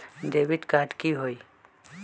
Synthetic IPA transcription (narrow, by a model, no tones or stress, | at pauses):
ɖeːʋɪʈkaːʈkiɦoːiː